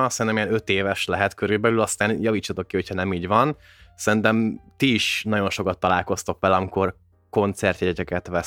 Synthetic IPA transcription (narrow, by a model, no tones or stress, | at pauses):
sɛɾint̪ɛmijɛnøt̪eːvɛʃlɛɦɛt̪køɾylbɛlylɒst̪aːnjɒviːt͡ʃːɑt̪o̞kːiho̞chɒnɛmiːɟvɒn | sɛɾint̪ɛmt̪iːʃnɒɟo̞nʃo̞kɒt̪ːɒlaːlko̞st̪o̞kʋɛlɒmiko̞r | ko̞nt̪sɛrt̪jɛɛt̪ɛkɛt̪ʋɛ